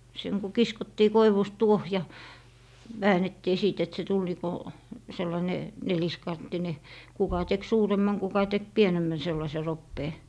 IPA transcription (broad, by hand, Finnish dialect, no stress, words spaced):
seŋ ku kiskotːiː koiʋust tuoh jɑ ʋæːnetːiː siˑt et se tul niː ko selːɑĭne neliskɑntːine kukɑ tek suːremːɑŋ kukɑ tek pienemːæn selːɑse ropːeː